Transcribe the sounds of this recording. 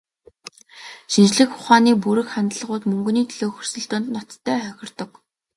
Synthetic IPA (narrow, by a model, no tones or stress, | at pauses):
ʃint͡ɕɮɘ̆kʊχaːniːpuɾɘ̆xχant̪ə̆ɮʁʊːt̪mɵŋɡ̆niːt̪ʰiɮoːxɵr̥sɵ̆ɬt̪ʊ̆ːnt̪nɔt̪ʰːæːχœxʲɪ̆rt̪ɞ̆k